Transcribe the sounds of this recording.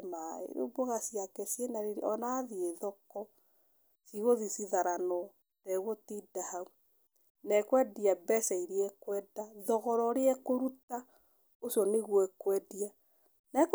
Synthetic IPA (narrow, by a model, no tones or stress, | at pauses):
maḛɾo̰boɣasjakɛsjenaɾeɾiɔnaðieðɔkɔ | siɣoðisiðaɾanɔ | d̥ɛɣotidahau | nɛkwɛdiabɛsɛiɾiɛkwɛdaðɔɣɔɾɔɾeɛkoɾuta | osjɔneɣwɛkwɛdia | nɛk